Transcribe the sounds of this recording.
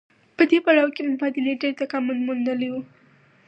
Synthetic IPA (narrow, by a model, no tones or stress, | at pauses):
pəd̪epaɽawkemʊbɑd̪ɪleɖeɾt̪akamʊnmund̪əlewu